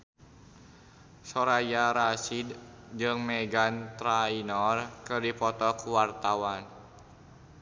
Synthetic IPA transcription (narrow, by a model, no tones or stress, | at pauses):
sɔɾajaɾasid | d͡ʒɨŋmɛɡant̪ɾainɔrkɨrdipɔt̪ɔkuwart̪awan